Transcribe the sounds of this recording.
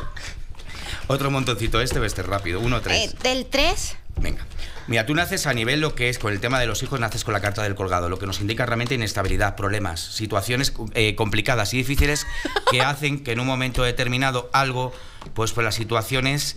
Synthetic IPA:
o̞t̪ɾomont̪o̞nθit̪oe̞st̪eoest̪erapiðounot̪ɾesd̪elt̪ɾesbḛŋɡamiɾat̪unaθe̞saniβ̞e̞lːo̞keesko̞ne̞lt̪e̞maðe̞lo̞sixo̞znaθe̞skonlakaɾt̪aðe̞lko̞lɣ̞að̞o̞lo̞ke̞no̞sind̪ikarealmẽnt̪einest̪aβ̞iliðapɾo̞β̞le̞ma̰sːit̪waθjo̞ne̞seko̞mplikað̞asiðifiθile̞ske̞aθe̞ŋke̞ːnũŋmːõ̞mẽnt̪oðet̪e̞ɾmĩnað̞o̞alɣ̞o̞ | pwe̞spoɾlasːit̪waθjo̞ne̞s

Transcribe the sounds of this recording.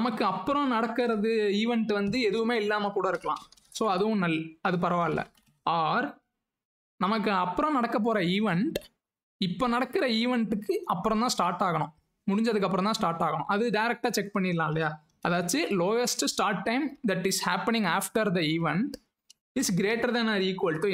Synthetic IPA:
nɐmɐkːɯɐpːɯɾɔ̃nɐɽɐkːɯɾɐðɯiːʋɛɳʈʋɐnd̪ɯɛðɯʋɯmeːɪlːaːmɐkuːɽɐɪɾɯkːɐɭã̰ː | soːɐðɯʋʊ̃nɐlːɐðɯpɐɾɐʋaːɪlːɐ̰ | aːɾ | nɐmɐk̬ːɯɐpːɯɾɔ̃nɐɽɐkːɐp̬ːoːɾɐiːʋɛɳʈ | ɪpːoːnɐɽɐkːɪɾɐiːʋɛɳʈɯkːɯɐpːɯɾɔ̃t̪ãːsʈaːɾʈaːɣɐɳʊ̰̃ | mʊɽɪɲd͡ʒɐðɯkːɐp̬ːɯɾɔ̃t̪ãːsʈaːɾʈaːɣɐɳʊ̰̃ʔɐðɯɖɐɪɾɛk̚ʈaːt͡ʃɛk̚pɐɳːɪɪlːãːɪlːɐjaː | ɐðaːt͡ʃːɯloːɛsʈsʈaːɾʈ̚ːɐɪmd̪ɐʈɪshæːpɐnɪ̃ŋɡaːfʈɐɾd̪ɐiːʋɛɳʈ | ɪsɡɾeːʈɐɾðɐnɐɾiːkʋɐlʈːu

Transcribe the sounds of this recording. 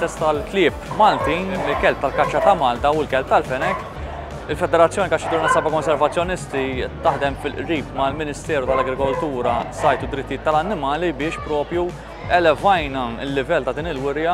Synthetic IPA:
t̪ɛst̪ɐlk̪lɪːpmɐlt̪iːnɪlkɛlp̚t̪ɐlkɐt͡ʃːɐt̪ɐmɐːlt̪ɐwɪlkɛlp̚t̪ɐlfɛnɛk | ɪlfɛd̪ɛɾɐt͡sːjɔːnikɐt͡ʃːɐt̪uːɾnɐsɐbɐkɔnsɛɾvɐt͡sːjɔnɪst̪it̪ːɐħd̪ɛmfɪlʔɾiːpmɐlmɪnɪst̪ɛːɾut̪ɐlɐɡɾɪkɔlt̪uːɾɐsɐjt̪ud̪ɾɪt̪ːijɪːt̪ːɐlɐnːɪmɐːlibɪːʃpɾɔːpɾju | ɛlɛvɐjnɐɪlːɪvɛlːt̪ɐd̪iːnɪlwɪɾjɐ

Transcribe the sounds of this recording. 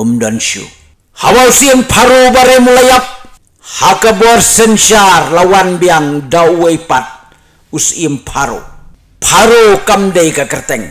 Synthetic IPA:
umdɔnʃṵ | hawausiəmpʰaɾobaɾemulajap̚ | hakabɔrsɛnʃarlawanbiaŋdawejpat̪̚ | usimpʰaɾo̰ | pʰaɾokamdəjkakərt̪ɛŋ

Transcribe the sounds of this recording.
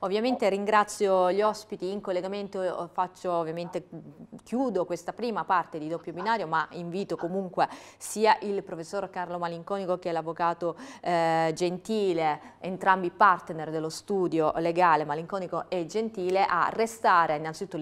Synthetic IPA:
ovːjament̪eɾiŋɡɾat̪sːjoʎiɔspit̪iːŋkolːeɡament̪ofat͡ʃːoːvːjament̪ekjuːd̪okwest̪apɾiːmapart̪ed̪id̪opːjobinaːɾjomaiɱviːt̪okomuŋkwe | siːaʔilpɾofesːoɾkarlomaliŋkɔːnikok̟ɛlːavːokaːt̪o | d͡ʒent̪iːleent̪ɾambipart̪nerd̪elːost̪uːd̪joleɡaːlemaliŋkɔːnikoʔed͡ʒent̪iːleʔa̰rːest̪aːɾeinːant̪sit̪ut̪ː

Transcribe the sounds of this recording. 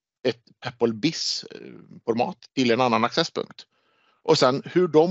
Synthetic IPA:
ɛt̪̚pʰæpːəlbɪs | fɔɾmɑ̰ːt̪ʰːɪlɛnanːanaksɛspʰɵ̰ŋk̚t̪ | ʔɔsɛnhɵɖɔm

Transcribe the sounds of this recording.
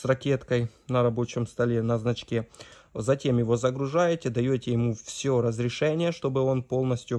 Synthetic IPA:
srɐkʲe̞t̪kəjnəɾɐbo̞t͡ɕɪmst̪ɐlʲe̞nɐznɐt͡ɕkʲe̞zɐtʲe̞mjɪvo̞zəɡɾʊʐajɪtʲɪd̪ɐjotʲɪjɪmufsʲoɾəzɾʲɪʂɛnʲɪjəʂt̪o̞bɨo̞npo̞lˠnəsʲtʲjʊ

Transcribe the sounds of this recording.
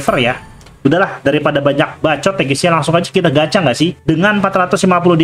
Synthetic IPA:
fərja | udalahdaɾipadabaɲak̚bat͡ʃɔt̪aɡisialaŋsʊŋad͡ʒḁkit̪aɡat͡ʃaŋɡaʔsɪhdəŋanpat̪ɾat̪ʊslimapulʊhdi

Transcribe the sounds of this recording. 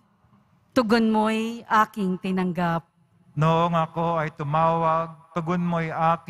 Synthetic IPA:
t̪ʊɡonmojʔaːkɪŋt̪ɪnɐŋɡap̚ | noʔoŋɐkoɐjt̪ʊmaːwɐɡ̚t̪ʊɡonmojʔaːk

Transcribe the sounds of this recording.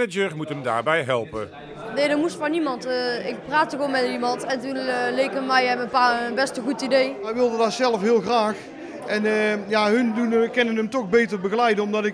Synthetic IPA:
əd͡ʒəɹmutəmda̰ːɹbɛjɦɛ̰lˠpə̰ | nejdəmustfɔnimɑntɪk̚praːtəɣonmɛtimɑntɛntunlejkənmɛjɛməpabɛstəɣutidejʋɛjʋɪlˠdədɑtsɛlˠəfɦɪːlˠɣraːx | ʔɛnjaɦɵndunkɛnənəmtɔxbejtərbəɣəlɛjdənɔmdɑtɪk

